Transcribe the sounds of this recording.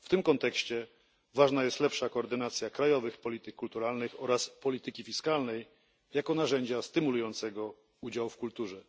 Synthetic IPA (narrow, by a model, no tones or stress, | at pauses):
ft̪ɘmkɔnt̪ɛkɕt͡ɕɛ | vaʐnajɛst̪lɛpʂakɔːɾd̪ɘnat̪sʲjakɾajɔvɘxpɔlʲit̪ɘkːult̪uɾalnɘxɔɾaspɔlʲit̪ɘkʲifʲiskalnɛj | jakɔnaʐɛɲd͡ʑast̪ɘmulujɔnt̪sɛɡɔ | ud͡ʑawfkult̪uʐɛ